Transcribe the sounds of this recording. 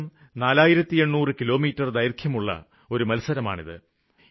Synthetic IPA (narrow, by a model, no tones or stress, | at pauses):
m | naːlaːjiɾɐt̪ːieɳːuːrɨkilo̞ːmiːtːɐrd̪ɐjɾkʰjɐmuɭːɐ̰ | o̞ɾumɐlsɐɾɐma̰ːɳḭðɨ̰